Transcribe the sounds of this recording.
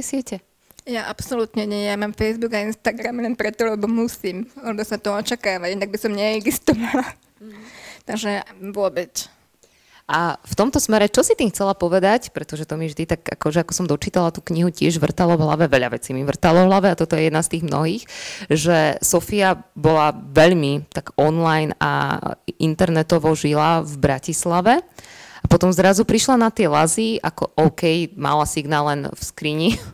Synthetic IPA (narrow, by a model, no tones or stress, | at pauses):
ɛsɪɛcɛ | jaʔapsɔlut̪ɲɛɲɛɛjamaːmfɛjzbuɡainst̪aɡɾamlɛnpɾɛt̪ɔlɛbɔmusiːmlɛbɔsat̪ɔɔt͡ʃakaːʋaɟinaɡ̚bisɔmɲɛɛɡzist̪ɔʋala | t̪aɡʒɛʋʊɔbɛt͡s | ʔaft̪ɔmt̪ɔsmɛɾɛt͡ʃɔsit̪iːmxt͡sɛlapɔʋɛd̪acpɾɛt̪ɔʒɛt̪ɔmiʒd̪it̪aɡa̰kɔʒɛakɔsɔmd̪ɔt͡ʃiːt̪alat̪uːkɲiɦucɪɛʒʋr̩t̪alɔvɦla̰ʋɛʋɛʎaʋɛt͡simiʋr̩t̪alɔvɦlaʋɛat̪ɔt̪ɔjɛjɛd̪nast̪iːɣmnɔ̰ɦiːxʒɛsɔfiabɔlaʋɛʎmit̪aɡɔnlajna̰ḭnt̪ɛɾnɛt̪ɔʋɔʒilavbɾacislaʋɛapɔt̪ɔmzɾazupɾiʃlanat̪ɪɛlazia̰kɔʔɔʊkɛjma̰lasiɡnaːlːɛnfskɾiɲi